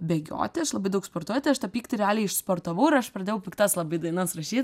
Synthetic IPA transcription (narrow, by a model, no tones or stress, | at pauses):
bʲɛɡʲo̰ːt̪ʲɪɐʃlˠɐbɐɪd̪ɐʊkspoːrt̪uɔjt̪ʲɪɐʃt̪ɐpʲiːkt̪ʲɪɾʲɛaːlʲɛɪɪʃspoːrt̪ɐʋɐʊɪɾɐʃpɾrɐd̪ʲeːjɛʊpʲɪkt̪ɑslˠɐbɐɪd̪ɐɪnɐsɾɐʃʲiːt̪ʲ